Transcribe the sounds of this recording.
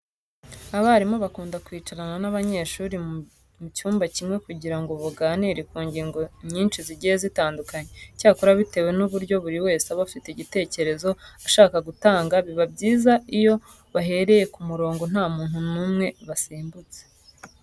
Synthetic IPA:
aβaɾimo̞βakuːndakwiːt͡ʃaɾananaβaɲe̞ːʃuːɾi | mucuːmbacimŋe̞kuɟiɾaŋɡo̞βuɡaːniɾekuːɲɟiːŋɡo̞ɲiːnʃiziɟijezitaːndukaɲecaːkoɾaβite̞we̞nuβuɾɟo̞βuɾiwe̞ːseaβafite̞iɟite̞ːce̞ɾe̞zo̞aʃaːkaɡutaːŋɡaβiβabɟiːzaijo̞ | βaɦe̞ɾe̞je̞kumuɾo̞ːŋɡo̞n̥aːmuːnhunuːmŋe̞βasiːmbut͡se

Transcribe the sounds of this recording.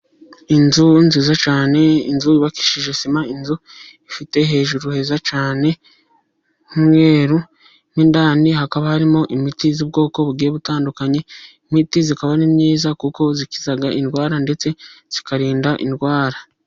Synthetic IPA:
inzunziːzat͡ʃaːne̞ḭnzuiβaki̥ʃiʒesimainzuifite̞ɦe̞ːʒuɾuhe̞zat͡ʃaːne̞ | mŋe̞ːɾu | nindaːnihakaβahaɾimo̞ʔimitizuːb̚ɡo̞ːko̞βuɡieβutaːndukaɲeimitizikaβanimɲiːzakuko̞zikizaɡaʔinɡwaːɾande̞t͡se̞z̥ikaɾiːndaʔḭnɡwaːɾa

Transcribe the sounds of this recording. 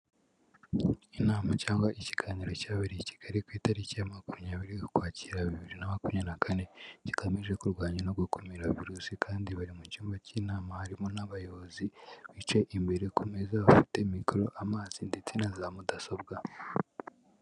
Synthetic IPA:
inaːmacaːŋɡwaʔiciɡ̥aːɲiɾocaːβiɾiici̥ɡ̥aɾikwiːtaɾicijamakumɲaːβiɾiu̥kwaːciɾaβiβiɾinamakumɲenakʰane̞ɟ̥ikomiʒe̞kuɾɡwaːɲanoɡukʰumiɾaviɾuːsikʰaːndiβaɾimucuːmbaciːnaːmahaɾimo̞naβajoβoziβit͡ʃe̞ʔimbe̞ɾekumezaβafi̥te̞mikɾo̞ʔamaːz̥indet͡sinazaːmudasobɡa

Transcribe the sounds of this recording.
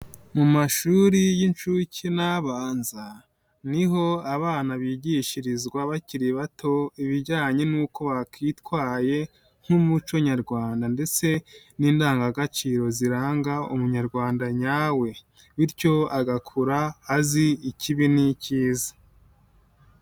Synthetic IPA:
mumaʃuːɾijint͡ʃucinaβaːnza | niɦo̞aβaːnaβiːɟiʃiɾizɡwaβaciɾiβatʰo̞iβiɾɟaːɲe̞nuːko̞βakʰitwaːje̞ | ŋ̥humut͡ʃoɲaɾɡwaːndande̞t͡se̞ | niːndaːŋɡaɡat͡ʃiɾo̞ziɾaːŋɡaṵmuɲaɾɡwaːndaɲaːwe̞ | βiɾco̞aɡakʰuɾaːziiciβiniciːza

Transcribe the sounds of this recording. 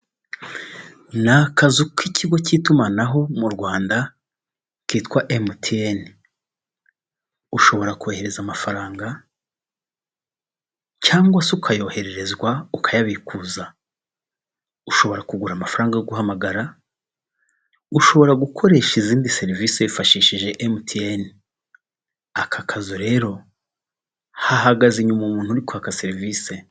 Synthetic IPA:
nakazukicʰiɡo̞ciːtumanaɦo̞muɾɡwaːnda | kiːtwaʔemutʰien | uʃo̞βo̞ɾakuheɾe̞zamafaɾaːŋɡa | caːŋɡwasukʰajo̞ːhe̞ɾe̞ɾe̞zɡwaukʰajaβikuːza | uʃo̞βo̞ɾakuɡuɾamafaɾaːŋɡaɡuhɦamaɡaɾa | uʃo̞βo̞ɾaɡukʰo̞ɾe̞ːʃiziːndise̞ɾiviːseifaʃiːʃiʒe̞ʔemtʰien | akʰakʰazoɾe̞ːɾo̞ | haɦaɡaziɲumumuːn̥huɾikoakase̞ɾiviːse̞

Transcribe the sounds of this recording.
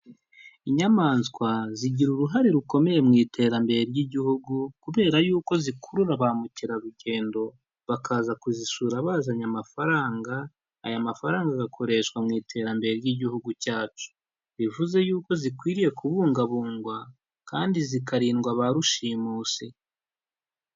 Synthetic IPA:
iɲamaːnskwaziɟiɾuɾuɦaɾeɾuko̞me̞je̞mŋiːtʰe̞ːɾambe̞ɾeɾjiɟihuɡukuβe̞ːɾajuːko̞zikʰuɾuɾaβamuciɾaɾuɟe̞ːndo̞ | βakʰaːzakuzisuːɾaβaːzaɲamafaɾaːŋɡaː | jamafaɾaːŋɡaɡakʰo̞ɾe̞ʃkwamŋiːtʰe̞ːɾambe̞ɾeɾjiɟihuɡucaːt͡ʃu̥ | βivuze̞juːko̞zikwiːɾije̞kʰuβuːŋɡaβuːŋɡwa | kaːndizikaɾiːnɡwaβaɾuʃiːmuːsi

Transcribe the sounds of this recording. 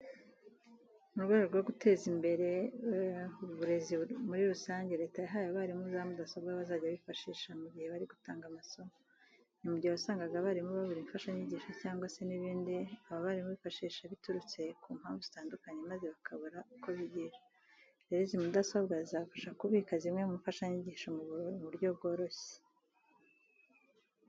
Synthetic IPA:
nuɾɡweɡoɾɡwoɡutʰe̞ːzimbe̞ɾe̞ | uβuɾe̞zimuɾiɾusaːɲɟe̞ɾe̞ːtajaɦajoβaɾimuzamudasobɡaβazaːɟaβifaʃiːʃamuɟihe̞βaɾiɡutaːŋɡamaso | nimuɟihaasaːŋɡaɡaβaːɾimuβaβuɾiɱfaʃaɲiɟiːʃacaːŋɡwase̞niβiːndiaβaβaɾimuβifaʃiːʃaβituɾut͡se̞kʰuːm̥haːɱvuzi̥taːndukaɲemaze̞βakʰaβuɾauko̞βiɟiɾḁ | ɾeɾizimudaso̞bɡazizafaʃakuβiːkazimŋe̞muɱfaʃaɲiɟiːʃomuβuɾβuɾɟob̚ɡo̞ːɾo̞çe̥

